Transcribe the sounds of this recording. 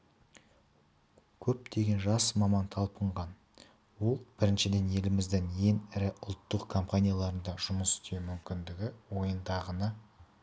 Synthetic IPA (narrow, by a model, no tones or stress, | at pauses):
kʲʰɵp̚t̪ʰe̞ɡʲe̞nʒɑsmɑmɑnt̪ʰɑlˠpəɴʁɑn | wo̞lˠb̥ɪɾɪnʃɪd̪e̞ne̞lɪmɪzd̪ɪŋje̞ŋɪɾɪʔʊlˠt̪ːəqkʰo̞mpanʲijalˠɑɾənd̪ɑʒʊməsɪ̥t̪e̞wmʏmkʲɪnd̪ɪɡʲɪwo̞jənd̪ɑʁənə